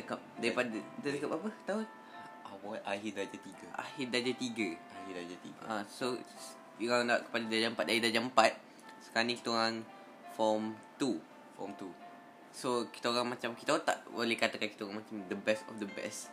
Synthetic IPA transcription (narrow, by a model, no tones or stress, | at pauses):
əkap̚daɾipadədadəkap̚apət̪au | awɔʔahidɾad͡ʒat̪iɡəʔa̰hid̪ad͡ʒat̪iɡəahidad͡ʒat̪iɡaso | juandaa̰ʔkə̥padadad͡ʒampat̪̚daidad͡ʒaəmpat̪̚ | sə̥kanĩki̥t̪əoɾaŋ | fɔmt̪u | fɔ̰mt̪u | soki̥t̪aoɾaŋmat͡ʃamki̥t̪aoɣat̪a̰ʔwolehkat̪akanki̥t̪aoɣaŋmat͡ʃamd̪əbɛstɔ̰fd̪əbɛ̰s